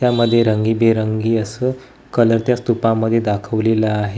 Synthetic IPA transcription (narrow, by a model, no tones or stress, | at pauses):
jaməd̪ʱːjeɾəŋɡiːbeɾəŋɡiːəsəː | kələɾt̪jast̪upãmːəd̪ʱːjed̪akʰəʋleləaɦe